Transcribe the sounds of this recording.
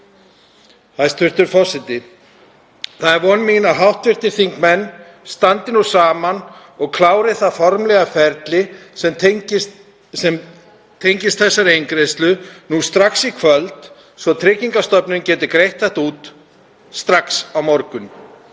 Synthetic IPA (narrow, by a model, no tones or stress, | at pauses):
hajst̪vɪr̥t̪ʏɾfɔsɪt̪ɪ | θaðɛɾvɔnmiɪnaɦawht̪vɪr̥t̪ɪɾ̥θiŋkmɛnː | st̪ant̪ɪnusaːman | ɔɣkʰlaːwɾɪθaðfɔɾmlɛɣafɛɾt̪lɪs | sɛm | t̪ʰejɲcɪst̪̚θɛsːaɾejŋkɾest̪lʏnuːst̪ɾaksikʰvœlt̪ | svɔt̪ʰɾɪciŋkast̪œpnʏncɛːt̪ɪkɾejht̪aht̪uːt̪ | st̪ɾaksawmɔɾkʏn